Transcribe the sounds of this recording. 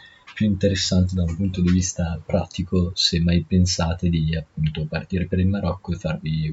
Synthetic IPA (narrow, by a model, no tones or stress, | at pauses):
pjuint̪eɾesːant̪ed̪aũmpunt̪od̪ivist̪apɾʔat̪ikosemːajpensaːt̪ed̪iapːunt̪opart̪iːɾepeɾilmaɾɔkːoefːarvi